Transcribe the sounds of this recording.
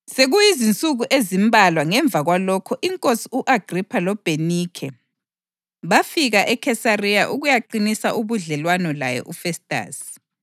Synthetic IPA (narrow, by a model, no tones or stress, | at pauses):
seɣujizint͡sʼuɣuʔezimbʱalwaŋɛɱb̪vʱaɣwalɔkʰɔʔiŋkʼosiuʔaɡ̥ripʰalɔb̥ʱenikʰɛ | βafiɣaʔɛkʰɛsarijaʔuɣujaǃinisaʔuβuɮɛlwanɔla̰jɛ̰ʔufɛstʼa̰ːs